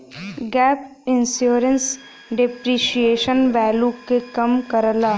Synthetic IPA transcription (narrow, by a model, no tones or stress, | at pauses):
ɡɛːp | ɪnsjoːɾəns | ɖɪpɾiːʃijeːʃənʋɛːlukekɐmkəɾəlaː